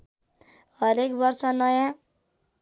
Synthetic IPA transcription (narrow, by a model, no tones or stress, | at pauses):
ɦʌɾekbʌrsʌnʌjã